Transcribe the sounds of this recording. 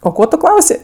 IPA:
oː ˈkoː tʊ ˈklˠɐʊsʲeː

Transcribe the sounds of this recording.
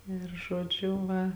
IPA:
ɪr ʒoːˈd͡ʒʲʊ ˈʋɐ

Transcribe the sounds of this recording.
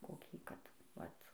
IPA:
koːˈkʲiː ˈkɐt ˈʋɐt

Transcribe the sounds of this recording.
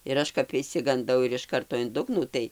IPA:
ɪr ˈɐʃ kɐp ɪʃʲsʲɪɡɐnˈdɐʊ ɪr ɪʃ ˈkɐrtoː ɪn ˈdʊɡnuː ˈtɐɪ

